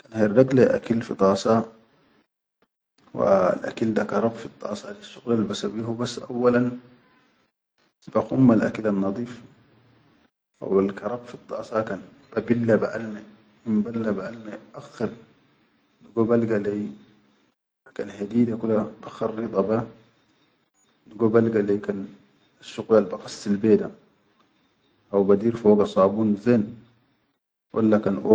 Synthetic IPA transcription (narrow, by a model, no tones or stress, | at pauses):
kanheɾˤdɑɡlaʔa̰kilfit̪ˤɑːsɑ | wa̰lʔa̰kild̪akɑɾˤɑbfit̪ˤːɑ̰ːsˤɑlisːuɣlalbasabiɦubasːʔa̰wːalan | baxumːalʔa̰kilanːɑd̪ˤiːf | ʔa̰walkɑɾˤɑbfit̪ˤːɑ̰ːsˤɑkan | b̥abilːabaʔalme | mimbalːabaʔalmeʔaxeɾ | niɡobalɡalej | akanhediːdakulab̥axɑɾːit̪ˤɑba | niɡobalɡalekan | aʃːuqlalbaqɑst̪ilbeːda | ʔawbad̪iːɾfoːɡasˤɑːbuːnzeːn | wʔa̰lːakanʔo